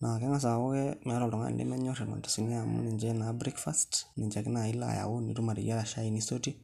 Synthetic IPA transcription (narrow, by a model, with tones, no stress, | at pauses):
na˨kɛ˦ŋa˦s̬a˨wo˦kɛ˦mɛ˨˦ɾɔ˨ltɔ˨ŋa̰˦nlḛ˦mɛ˦ɲɔ˦ɾi˨ma̰˨tsi˨ni˦a˨mṵ˦ni˨ɲd͡ʒɛ˦na˨bɾi˦kfa˦stni˨ɲd͡ʒa˨ki˦na˨i˦la̰˨ja̰˨wu˦nḭ˨tu˦ma˨ɾḭ˨ja˦ɾa˨ʃa˦i˨ni˦so˦ti˦